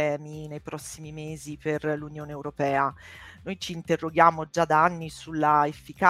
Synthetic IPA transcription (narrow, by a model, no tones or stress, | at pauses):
ɛːminejpɾɔsːimimeːziperlunjoːneːwɾopɛːanojt͡ʃiːnt̪erːoɡjaːmod͡ʒad̪aanːisulːaefːika